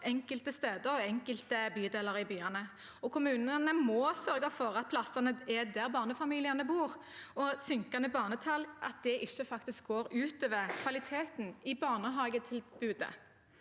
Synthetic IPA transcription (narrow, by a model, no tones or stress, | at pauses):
ʔɛŋkəlt̪əst̪eːd̪əɾɔɛŋkəlt̪əbyːd̪eːlɑɾɪbyːɑnə | ɔkʰʊmʉːnənəmɔːsœʁɡɑfɔʁɑt̪̚pʰlɑsɑnəɛd̪æʁbɑːʁnəfɑmiːlɪɑnəbuːʁɔsʏŋkɑnəbɑːʁnət̪ʰɑlʔɑt̪̚d̪̥ɛʔɪʃːəfɑkt̪ɪsk̚ɡoːɾʉːt̪øːʋəʁkʰʋɑlɪt̪ʰeːt̪nɪbɑːʁnəɦɑːɡət̪ʰɪlbʉːd̪ə̰